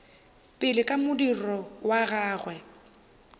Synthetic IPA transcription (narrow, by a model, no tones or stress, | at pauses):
pʼɪlɪkʼamʊdirɔwaɣaːɣwɛ